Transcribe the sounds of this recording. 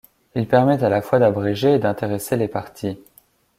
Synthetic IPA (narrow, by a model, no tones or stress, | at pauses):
ilpɛʁmɛt̪alafwad̪abʁɛʒeːd̪ɛ̃t̪eʁeselepaʁt̪ʰi